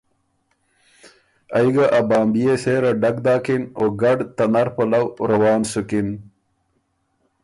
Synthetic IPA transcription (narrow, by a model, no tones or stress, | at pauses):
ajɡaʔabaːmbijeseːɾaɖɐkd̪aːkinoːɡɐɖt̪ɐnɐɾpɐlawɾɐwaːnsukin